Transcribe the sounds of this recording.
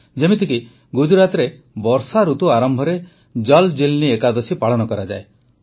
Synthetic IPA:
d͡ʒemit̪iki | ɡud͡ʒuɾat̪ɾe | bɔɾsaɾut̪uaɾɔmbʱɔɾe | d͡ʒɔld͡ʒilniekad̪ɔsipaɭɔnɔkɔɾad͡ʒa̰e

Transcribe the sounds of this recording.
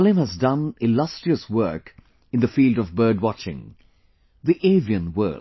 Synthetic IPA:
lɪ̃mhəzdʌ̃nɪlʌstɹ̥iəswɜ˞k | ɨ̃nðɨfiːldʌvbɜ˞d̚wɑt͡ʃɪ̰̃ŋ | ðiʔeɪviɨ̃nwɜ̰ːl

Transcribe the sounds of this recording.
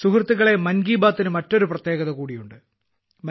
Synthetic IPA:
sukrɐt̪ːiɣɐɭe̞mɐnɡiːbaːt̪ːinɨmɐtːo̞ɾuprɐt̪jeːɣɐðɐkuːɽijuɳɖɨ | mɐ

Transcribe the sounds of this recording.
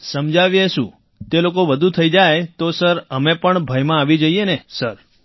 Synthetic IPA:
səmd͡ʒaʋjeʃṵ̃ | t̪elokoʋəd̪ʱut̪ʰəid͡ʒajt̪osəɾəmepəɳbʱəjmãːʋid͡ʒəienesəɾ

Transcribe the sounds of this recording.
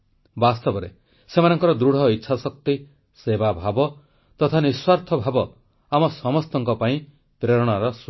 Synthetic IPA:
bast̪ɔbɔɾḛ | semanɔŋkɔɾɔd̪ɾuɽ̤ɔitːʃʰasɔkt̪i | sebabʱabɔ | t̪ɔt̪ʰaniswaɾt̪ʰɔbʱabɔ | amɔsɔmɔst̪ɔŋkɔpaĩ | pɾeɾɔɽ̃aɾɔs

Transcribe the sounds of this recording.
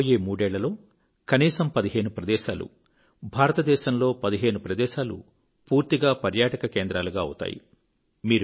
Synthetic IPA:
jeːmuːɽɛːɭːɐlo̞ː | kɐniːsɐmpɐd̪iɦe̞ːnupɾɐd̪ɛːʃaːlṵ | bʱaːɾɐt̪ɐd̪ɛːʃɐmlo̞ːpɐd̪iɦe̞ːnupɾɐd̪ɛːʃaːlṵ | puːɾt̪iɡaːpɐɾjaːʈɐkɐkeːnd̪ɾaːluɡaːɐ̰t̪a̰ːjḭ | miːɾu

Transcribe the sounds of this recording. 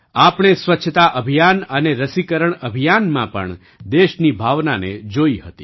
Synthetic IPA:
apɳ̃esʋətːʃʰət̪aʔəbʱijanəneɾəsikəɾəɳəbʱijanmãpə̰ɳ | d̪eʃnibʱaʋnaned͡ʒoihət̪i

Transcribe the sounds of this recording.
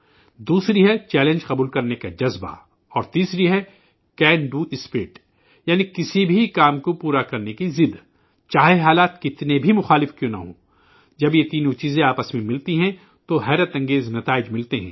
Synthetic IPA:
d̪uːsɾiɦɛt͡ʃɛːlẽnd͡ʒqɐbuːlkɐɾnekad͡ʒɐzba̰ | ɔːɾt̪iːsɾiɦɛ | kɛːɳɖuːʔɪspeːʈ | jaːnikɪsibʱikaːmkopuːɾakɐɾnekizɪd̪ | t͡ʃaːɦeɦaːlaːt̪kɪt̪nebʱimʊxaːlɪfkjõːnɐ̰ɦõ̰ː | d͡ʒɐbjet̪iːnõt͡ʃiːzẽaːpəsmẽmɪlt̪iɦɛ̃ | t̪oɦɛːɾət̪ɐ̃ŋɡeːznɐt̪aːɪd͡ʒmɪlt̪eɦɛ̰̃ː

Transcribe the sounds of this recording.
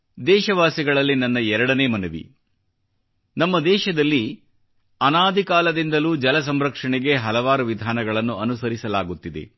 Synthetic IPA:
d̪ɛːʃɐʋaːsiɡɐɭɐlːinɐnːɐɛɾɐɽɐne̞ːmɐnuʋḭ | nɐmːɐd̪ɛːʃɐd̪ɐlːi | ɐnaːd̪ʱikaːlɐd̪ind̪ɐluːd͡ʒɐlɐs̬ɐmɾɐkʂɐɳɛɡe̞ɦɐlɐʋaːɾuʋid̪ʱaːnɐɡɐɭɐnːuɐnusɐɾisɐlaːɡut̪ːid̪e̞̰

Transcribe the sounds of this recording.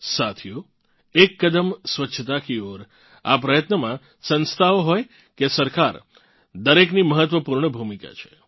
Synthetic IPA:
sat̪ʰijo | ekːəd̪əmsʋəʃʰət̪akioɾ | a̰pɾəjət̪nəmã | sə̃nst̪ʰaoɦɔj | kesəɾkaɾ | d̪əɾekniməɦət̪ʋəpuɾɳəbʱumika̰t͡ʃʰe̥

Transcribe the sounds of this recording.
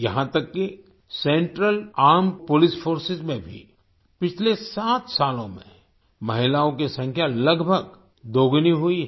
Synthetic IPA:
jɐɦãt̪ɐkːi | sẽːɳʈɾəlaːɾmpolɪsfʰoːɾsɪzmẽbʱḭ | pɪt͡ʃʰlesaːt̪ʰsaːlõmḛ̃ | mɐɦɪlaːõkesɐ̃ŋkʰjalɐɡbʱəɡ | d̪oːɡniɦʊi

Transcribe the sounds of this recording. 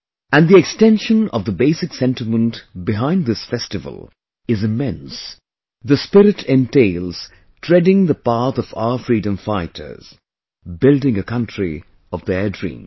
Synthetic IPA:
æ̃nðiɛkstɛ̃nʃə̃nʌ̰vðəbeɪsɨksɛ̃ntɨmə̃ntbɨɦãɪ̃nðɪsfɛstɨvə̰l̩ˠ | ɨzɨmɛ̃ns | ðɨspɪɾɨtʰɛ̃nteɪlˠz̥ | tʰɹ̥ɛdɪ̃ŋðəpaθʌvafɹidɨ̃ɱfaɪtʰə̰˞z̥ | bɪlˠdɪ̃ŋɨkʰʌ̃ntʰɹ̥ḭ | ʌvðɛdɹḭ̃ːm

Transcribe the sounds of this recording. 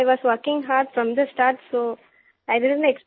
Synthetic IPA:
ɪʋɔːzʋəɾkɪ̃ŋɦaːɖfɾɔ̃md̪əsʈaːɾʈsoː | aɪɖɪɖə̃neks

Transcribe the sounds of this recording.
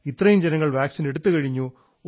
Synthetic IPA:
it̪ːrɐjumd͡ʑenɐŋːɐɭʋaːksine̞ɽut̪ːɨkɐɻiɲːu

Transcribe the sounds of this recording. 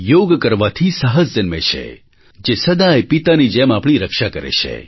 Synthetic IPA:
joɡkəɾʋat̪ʰisəɦəsd͡ʒənmḛt͡ʃʰḛ | d͡ʒesəd̪aepit̪anid͡ʒɛmapɽ̃iɾəkʃakəɾḛt͡ʃʰḛ

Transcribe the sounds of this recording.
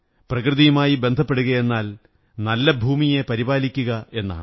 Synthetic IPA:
prɐkrɨðijumaːjibe̞nd̪ʱɐpːe̞ɽuɣɐe̞nːaːl | nɐlːɐbʱuːmijepɐɾibaːlikʲːuɣɐe̞nːa̰ːɳ

